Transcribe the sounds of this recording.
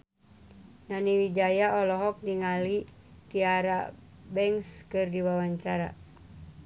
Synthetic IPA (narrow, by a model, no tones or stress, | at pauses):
naniwid͡ʒajaʔɔlɔɦɔk̚diŋali | t̪iaɾabɛŋskɨrdiwawaɲt͡ʃaɾa̰